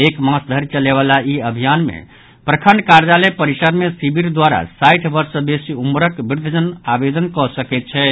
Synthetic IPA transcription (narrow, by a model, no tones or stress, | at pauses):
ekmãsd̪ʱəɾit͡ʃəleβalaiəbʱijanmḛ | pɾəkʰəɳɖkaɾd͡ʒalepəɾisəɾmesibiɾd̪waɾa̰sajʈʰbəɾsəbesiumɾəkbiɾd̪ʱəd͡ʒənabed̪ənkɔsəkɛt̪̚t͡ʃʰɛ